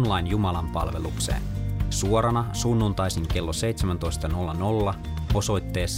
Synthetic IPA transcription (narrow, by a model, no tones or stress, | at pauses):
nlɑjnjumɑlɑmpɑ̰lʋe̞̰luksḛːnsuoɾɑnɑsunːunt̪ɑjsiŋke̞lːose̞jt̪semænt̪o̞jst̪ɑno̞lːɑno̞lːɑ | o̞so̞jt̪ːe̞ːsː